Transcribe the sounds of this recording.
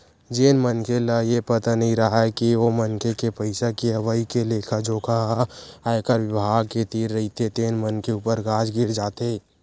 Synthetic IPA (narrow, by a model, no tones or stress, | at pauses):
d͡ʒenmənkelajepət̪anəĩɾəɦakiomənkekepəɪsakiəʋəikeleːkʰad͡ʒoːkʰaɦaɪkəɾʋɪbʱaːɡket̪iːɾːəɦit̪ʰet̪eːnmənkeuːpəɾɡad͡ʒɡɪɾd͡ʒaːt̪e